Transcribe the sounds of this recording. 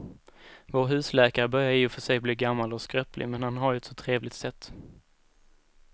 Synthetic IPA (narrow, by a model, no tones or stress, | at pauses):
voːɾɦʉ̟ːslɛːkaɾəbœɾjaɾɪːʊfœʂɛjbliːɡamːalɔskɾœːplɪ̰mɛnhanɦaɾjɵɛt̪sɔt̪ʰɾeːvlɪɡt̪sɛt̪ː